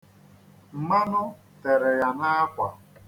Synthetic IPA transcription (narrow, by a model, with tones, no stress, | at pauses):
m̩˨ma˦nʊ˦ | te˨ɾe˨ja˨na˦kʷa˨